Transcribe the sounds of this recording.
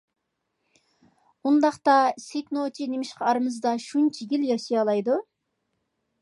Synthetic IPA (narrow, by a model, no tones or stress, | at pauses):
und̪ɑχt̪ɑseknot͡ʃʰinemɪʃqɑɑɾɨmɨzd̪ɑʃunt͡ʃʰiɡʲiljɑʃijɑlˠɑjd̪u